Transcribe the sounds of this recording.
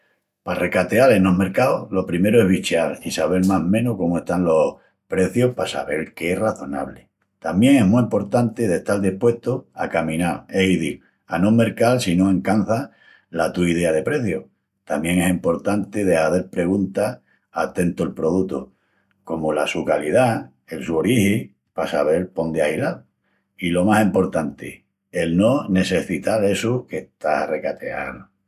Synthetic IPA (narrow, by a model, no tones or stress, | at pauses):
pare̞kat̪ealeno̞me̞ɾkaolo̞pɾime̞ɾoe̞ɦβit͡ʃealisaβe̞ɾmaɦmẽ̞noko̞moe̞st̪anlo̞h | pɾe̞θjo̞hpasa̰βe̞̰lkeeraθo̞na̰βle | t̪amje̞ŋe̞ɦmuimpo̞ɾt̪ant̪eðeht̪ald̪ihpwe̞ht̪oa̰kamĩnaleiði | anome̞ɾkalsinoẽ̞ŋkanθa | lat̪uið̞e̞að̞e̞pɾe̞θjo | t̪amje̞ŋe̞simpo̞ɾt̪ant̪eðe̞haðe̞ɾpɾe̞ɣunt̪a | at̪e̞nt̪oelpɾo̞ð̞ut̪o | ko̞molasukalið̞a | elsuoɾihi | pasaβe̞lpo̞nd̪eahilal | ilo̞masimpo̞ɾt̪ant̪e | elnone̞se̞θit̪ale̞suke̞ht̪ahare̞kat̪e̞̰a̰ðo